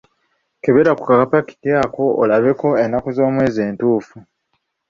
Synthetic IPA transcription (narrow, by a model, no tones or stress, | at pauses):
keβeɾakukakapaki̥tiaːko̞ʔːlaβe̞ko̞enːakuzo̞ːmwe̞ːzeːntuːfu